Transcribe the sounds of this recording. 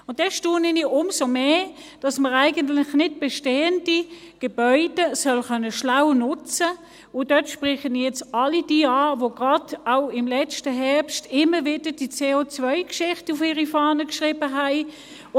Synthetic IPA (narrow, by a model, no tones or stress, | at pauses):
ʊnt̚ːɛʃtuːnɛniʔʊmsomeːd̥ɑsməʁæɪɡəntlɪχnɪt̚b̥eʃteːənd̥i | ɡ̥ebœʏdəsœlχœnəʃlawnʊt͡sə | ʊnd̥œtʃpʁɪχənijɛt͡sɑlid̥iːɑːvoɡ̥ʁɑdaʊɪmlɛt͡stəɦɛɐpstɪməvɪdəd̥it͡seːot͡svœɪkʃɪχtʊfiːʁifɑːnəkʃʁɪːbəɦæɪ